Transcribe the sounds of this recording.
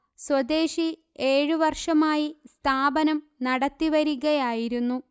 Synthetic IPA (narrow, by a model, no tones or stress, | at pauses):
swɐd̪e̞ːɕi | e̞ːɻɨʋɐrʂɐmaːjist̪ʰaːbɐnɐm | nɐɽɐt̪ːiʋɐɾuɣɐjaːjiɾunːu